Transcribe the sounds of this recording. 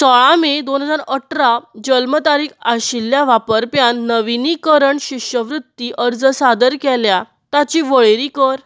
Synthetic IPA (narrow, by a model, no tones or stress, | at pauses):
səɭãmed̪onɦəd͡zaɾəʈɾad͡ʑəlmət̪aɾiːkaɕiljaʋapəɾpjanːəʋinikəɾəɳɕikɕjəʋɾut̪ːiʔəɾd͡zəsad̪əɾkɛlja | t̪at͡ɕiʋəɭeɾikəɾ